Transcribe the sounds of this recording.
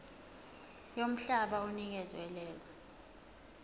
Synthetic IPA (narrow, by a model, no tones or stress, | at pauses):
jom̩ɬaɓaunik̬ɛzwɛlɛːlɔ